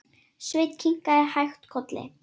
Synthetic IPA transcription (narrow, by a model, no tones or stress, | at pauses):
svɪjt̪cʰiŋ̥kaɛhajxt̪kʰɔt̪lɪ̰